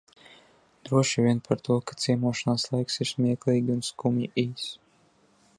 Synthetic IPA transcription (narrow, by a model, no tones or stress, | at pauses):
d̪ɾuɔʃivʲiɛnpʰaɾt̪uɔkḁt̪siɛmuɔʃanaːslˠajksiɾsmʲiɛklˠiːɡʲiunskumjiʔiːs